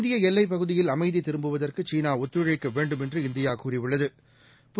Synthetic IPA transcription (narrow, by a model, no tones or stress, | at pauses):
d̪ɪjɐɛlːɐɪp̬ːɐɣɯðɪjɪlɐmɐɪðit̪ːɪɾɯmbɯʋɐðɐrkɯt͡ʃiːnaːɔt̪ːɾɯɻɐɪkːɐʋeːɳɖɯmɛndrɯɪnd̪ɪjaːkuːrɪʋɯɭːɐðɯ | p